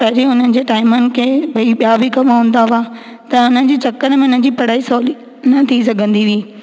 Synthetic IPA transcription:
pɐɦd͡ʑeʊn̤ənɪ̆d͡ʑeːʈaːɪmənɪ̆kʰeːbɐiɓijabʱikɐmaɦũːn̆d̪aʋa | t̪ɐʊn̤ənɪ̆d͡ʑiːt͡ɕɐkəɽmẽʊn̤ən̆d͡ʑiːpɐɽ̤aːisɔːli | nɐt̪ʰis̬ɐɡʱə̃nd̪iʋiː

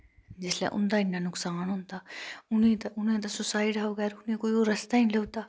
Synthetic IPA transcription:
d͡ʒɪslḛ̃ʔʊ̰̃nd̪aːɪnːanʊksaːnɦʊ̃nt̪aːʊnɦĩt̪ɐʊnɦẽt̪̬ɐsʊsaːiʈaʋɐɣɛːɾʊnɦĩkoioːɾɐst̪aːĩleʊt̪aː

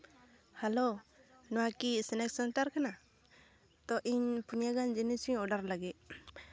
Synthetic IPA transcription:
halonɔwakisɛnɛk̚sanʈaɾkana | t̪ɔʔiɲpunjaɡand͡ʒɛnisiɔɖaɾlaɡɛ

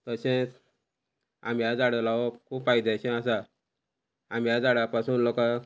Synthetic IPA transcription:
t̪əɕẽ | a̰mjad͡zaɽelaʋɔkʰuːbfajd̪aɕẽasa | amjad͡zaɽapasuːnlokã

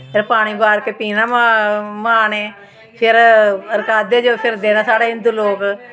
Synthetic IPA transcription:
pʰɪɾpaːɽ̃iːbaːɾkeːpiːnãːmmaːneː | pʰɪɾəɾkaːd̪eːd͡ʒoːpʰɪɾd̪eːnãːsaːɽaːɪnd̪uːloːk

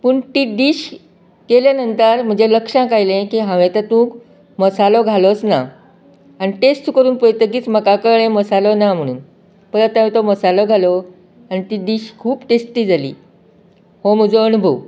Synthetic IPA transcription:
pəɳʈiːɖ̪iːɕ | keljanənt̪əɾm̤əɳd͡zeləkʂãkajlẽkiɦãʋet̪at̪ũːk | məsalɔɡʱalot͡sna̰ | aniʈesʈkəɾuːnpojt̪əkiːt͡sməkakəɭẽməsalɔnam̤əɽ̃uːn | pəɾət̪ãʋit̪oməsalɔɡʱalɔ | anit̪iːɖ̪iɕkʰuːpʈesʈʈiːd͡zalḭː | hom̤əd͡zoənubʱəw

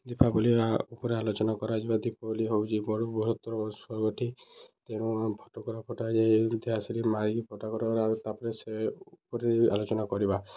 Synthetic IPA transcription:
d̪ipʰabuliaupɔɾealot͡ʃɔnakɔɾad͡ʒibad̪ipʰɔboliɦowt͡ʃʰibɔɽubʱuɾɔt̪ɔɾɔswɔɾɡɔʈʰit̪eɽ̃ũpʰɔ̥ʈɔkɔɾɔpʰɔʈad͡ʒed̪iɦasiɾimaɾiɡipʰɔʈakɔɾɔɾat̪apɔɾeseupɔɾeɾia̰lot͡ʃɔnakɔɾiba

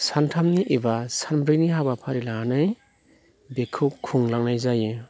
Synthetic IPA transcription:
santʰamniʔebasanbɾiniɦabapʰaɾilaanɯj | bekʰup̚kʰuŋlaŋnajzajɯ

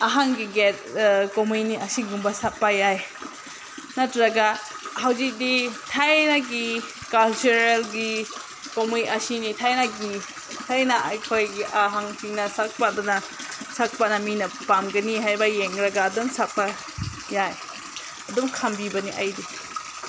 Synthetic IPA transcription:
aɦaŋɡiɡet̚komujniʔɐsiɡumbɐsap̚pajaj | nɐtɾɐɡa | hawzik̚ditʰajnaɡi | kɐlt͡ʃuɾelɡi | komujʔɐsinitʰajnaɡii | tʰajnaʔɐjkʰojɡiʔaɦaŋtiŋnɐsak̚padɔnɐ | sak̚panɐminɐpamɡɐniɦajbɐjeŋɡɾɐɡaːdumsapa | jaj | ɐdumkʰambibɐniʔɐjdi

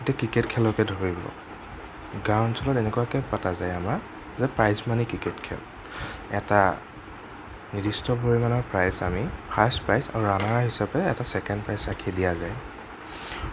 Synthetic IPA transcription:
etiakɹiketkʰɛlɔkɛdʱoɹibɔ̰ | ɡawnsʰɔlɔtɛnɛkujakɛpatazajama | zɛpɹajsmanikɹiketkʰɛ̰l | ɛta | nidistɔboɹimanɔɹpɹajza̰mipʰaspɹajsa̰ɹuɹanaɹɦisapɛɛtasɛkɛndpɹajsakʰidijazaj

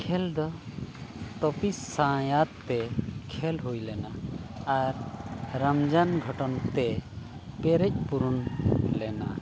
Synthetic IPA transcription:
kʰɛld̪ɔ | t̪ɔpisːãjat̪ːɛkʰɛlɦujlɛnaː | ɾɾamd͡ʒanɡʱɔʈɔnt̪ɛ | pɛɾɛc̚puɾunlɛna̰

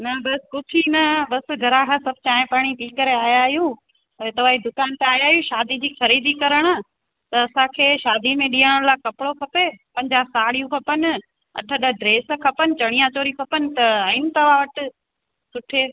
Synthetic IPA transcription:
nɐbɐskʊtʰinɐbɐsɡʱɐɾãkʰãsɐb̚ʱt͡ɕaːɦẽpaːɽ̃it̪iːkəɾeaːjaːijũ | ɐet̪ɐʋ̤aːɦid̪ʊkaːnt̪eaːjaːɦjũʃaːd̪id͡ʑiːxɐɾiːd̪ikɐɾəɽ̃ | t̪ɐːsãkʰeːʃaːd̪imẽɗiːəɽ̃laːkɐpɪɽokʰɐpepɐ̃ɲd͡ʑaːsaːɽ̤ijũkʰɐpənɪ̆ | ɐ̰ʈʰəɗəɖɾeːskʰɐpənɪ̆t͡ɕɐɽ̃ijãt͡ɕoːɾiukʰɐpənɪ̆t̪ɐɐɪnɪ̆t̪ɐʋaʋɐʈɪ̆ | sʊʈʰe

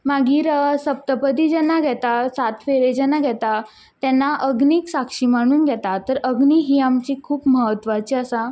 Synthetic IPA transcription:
maɡiːɾsəp̚t̪əpəd̪iːd͡ʑɛnːaɡʱɛt̪asat̪ʰʋeɾed͡ʑɛnːaɡʱɛt̪a | t̪ɛnːaʔəɡniːksakʂimaɽ̃uːnɡʱɛt̪at̪əɾəɡniɦiːamt͡ɕiːkʰuːpməɦət̪ːʋat͡ɕiəsa

